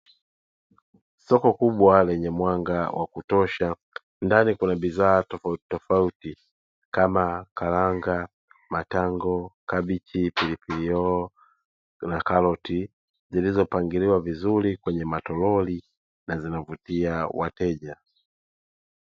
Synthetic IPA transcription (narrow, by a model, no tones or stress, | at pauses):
sɔkɔkuɓwalɛɲɛmwaŋɡawʔa̰kutɔʃa | ndanikunabizaːtɔfautitɔfauti | kamakalaŋɡa | mataŋɡɔkabit͡ʃipilipiliɔ | nakalɔti | zilizɔpaŋɡiliwavizulikwɛɲɛmatɔlɔli | nazinavutiawa̰tɛʄa